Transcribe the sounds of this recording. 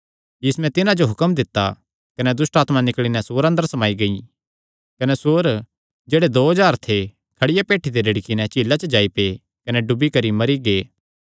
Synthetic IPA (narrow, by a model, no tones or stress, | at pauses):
jɪsmɛ̃t̪ɪnãd͡ʒoɦʊkəmd̪ɪt̪ːa̰ | kɐnɛd̪ʊsʈaːt̪manɪkɭinɛsoːɾɐ̃nd̪əɾsɐmaːiɡɐi | kɐnɛsoːɾ | d͡ʒeːɽed̪oːɦɐd͡ʒaːɾt̪ʰe | kʰɐɽɪjapeːʈʰːid̪eɾɐɽikinɛ̃t͡ʃiːlːat͡ʃəd͡ʒaːipeː | kɐnɛɖʊbikɐɾimɐɾiɡeː